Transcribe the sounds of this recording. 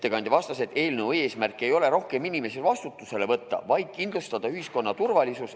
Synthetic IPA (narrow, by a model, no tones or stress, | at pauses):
t̪ːekɑnʲd̪̥ʲivɑst̪ɑse̞t̪e̞ːlnewe̞ːsmærkːˑe̞jo̞le̞ɾo̞hke̞minime̞selvɑst̪ut̪ːˑuse̞le̞vɤt̪ːɑ̰vɑjd̪̥̚kind̪lust̪ɑd̪̥ɑyhisko̞nːɑt̪urvɑlʲisus